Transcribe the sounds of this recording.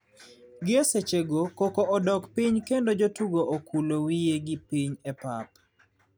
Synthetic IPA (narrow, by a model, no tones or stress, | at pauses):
ɡɪɛset͡ʃeɡokɔkɔʔɔdɔkpiɲkendod͡ʒotuɡoʔokʰulowijeɡɪpiɲɛpap